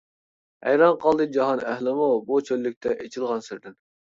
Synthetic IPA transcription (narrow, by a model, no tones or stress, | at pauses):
æ̰jɾɑnqʰɑlˠd̪ɨd͡ʒɑɦɑnæhlɪmubut͡ʃʰøllːyk̚ʲt̪ʰɛʔet͡ʃʰilˠʁɑnsɪɾd̪ɪn